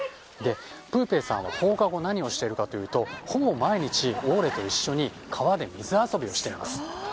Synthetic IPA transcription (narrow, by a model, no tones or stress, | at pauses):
d̪e̞pɯ̟ːpe̞ːsã̰ɰ̃β̞a̰ko̞ːkaɡo̞naɲ̟io̞ɕi̥t̪e̞ɾɯ̟kat̪o̞jɯ̟ːt̪o̞ho̞bomaiɲ̟it͡ɕio̞ːɾe̞t̪o̞iɕːo̞ɲ̟i | kʰaβad̪e̞mʲizɨaso̞bʲio̞ɕi̥t̪e̞ima̰sɨ̥